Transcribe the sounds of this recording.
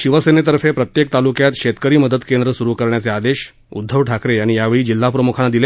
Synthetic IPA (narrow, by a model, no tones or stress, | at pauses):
ɕiʋəsenet̪əɾfepɾət̪jek̚t̪alukjat̪ɕet̪kəɾiːməd̪ət̪kend̪ɾəsuɾukəɾɳjat͡sead̪eɕ | ṵd̪ʱːəʋʈʰakɾeaɽ̃ijaʋeɭiːd͡ʑil̤ːapɾəmukʰanːad̪ile